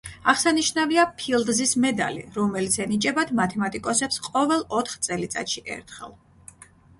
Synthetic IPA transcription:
aʁsaniʃnaviapʰilˠd̪zismɛd̪a̰lḭɾɔmɛlit̪sʰɛnit͡ʃʼɛbad̪mat̪ʰɛmat̪ʼikʼɔsɛpsqʼɔvɛlˠɔt̪ʰχt̪sʼɛlit̪sʼa̰t̪ʃiʔɛ̰ɾt̪ʰχɛ̰lˠ

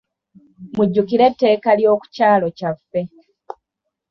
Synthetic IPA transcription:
muɟːukiɾe̞tːe̞ːkaljo̞ːku̥caːlo̞cafːe̞

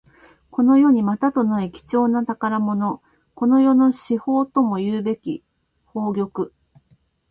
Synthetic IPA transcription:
ko̞no̞jo̞ɲ̟imat̪at̪o̞naikʲi̥t͡ɕo̞ːnat̪akaɾamo̞no̞ | ko̞no̞jo̞no̞ɕiho̞ːt̪o̞mo̞jɯːbe̞kʲi | ho̞ːɡʲo̞kɯ̟

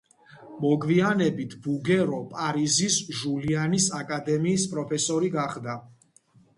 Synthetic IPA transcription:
mɔɡvianɛbit̪ʰbuɡɛɾɔpʼaɾizisʒulianisakʼad̪ɛmiːspʼɾɔpʰɛsɔɾiɡaχd̪a

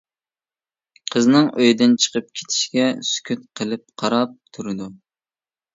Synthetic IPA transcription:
qʰəznɨŋʔøjd̪ɪnt͡ʃʰə̥qəp̚kʲʰe̥t̪ʰɪ̥ʃkʲɛsy̥kʲʰyt̪̚qʰəlˠɨp̚qʰɑɾɑp̚t̪ʰuɾɨd̪u

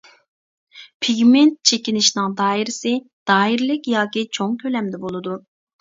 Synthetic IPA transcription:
pʰiɡʲment̪̚t͡ʃʰekʲinɪʃnɪŋd̪ɑːiɾɪsɪd̪̥ɑːiɾlɪkʲjɑːkʲit͡ʃʰoŋkʲʰølɛmd̪ɛbolˠɨd̪u

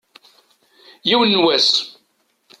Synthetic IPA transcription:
jiwənːwæs

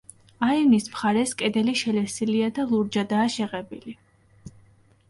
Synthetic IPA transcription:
aivnismχaɾɛskʼɛd̪ɛliʃɛlɛɾsiliad̪alˠuɾd͡ʒad̪aːʃɛʁɛbili

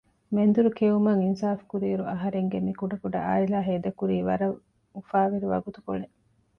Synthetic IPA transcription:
mend̪uɾukeumɐŋinsaːfkuɾiːɾuɐɦɐɾeŋɡemikuɖɐkuɖɐʔa̰ːilaːɦeːd̪ɐkuɾiːʋɐɾɐ | ufaːʋiɾiʋɐ̰ɡut̪ukone

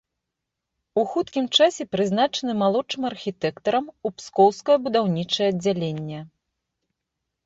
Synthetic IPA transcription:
uxut̪kʲimt͡ʂasʲɛpɾɨznat͡ʂɐnɨmalˠɔt͡ʂɨmɐrxʲit̪ɛkt̪ɐɾɐmupskɔwskɐjɐbud̪awnʲit͡ʂɐjɛɐd͡zʲːalʲenʲːɛ

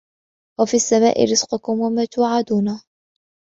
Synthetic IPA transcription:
wafiːasːama̰ːʔɪ̰ɾɪz̥qʊkʊmwamaːt̪ʊːʕad̪uːna

